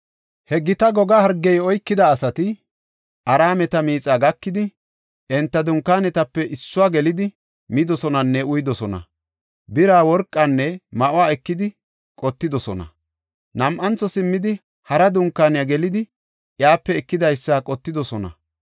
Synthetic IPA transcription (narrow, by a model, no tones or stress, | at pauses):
hɛɡɪt̪ɐɡɔɡɐhɐɾɡːɛjɔjkːɪd̪ɐːsɐt̪ɪ | ʔɐɾaːmɛt̪ɐmiːt͡sʼaːɡɐkːɪd̪ɪ | ʔɛnt̪ːɐd̪ʊŋkːaːnɛt̪ɐpːɛʔɪsːʊwaːɡɛlɪd̪ɪ | mɪd̪ɔsɔnɐnːɛʊjd̪ɔsɔnɐ̰ | bɪɾaːwɔɾkʼːɐnːɛmɐʔʊaːɛkːɪd̪ɪ | kʼɔt̪ːɪd̪ɔsɔnɐ̰ | nɐmʔɐnt͡sːɔsɪmːɪd̪ɪ | hɐɾɐd̪ʊŋkːaːnɪjaɡɛlɪd̪ɪ | ʔjaːpːɛɛkːɪd̪ɐjsːaːkʼɔt̪ːɪd̪ɔsɔnɐ̰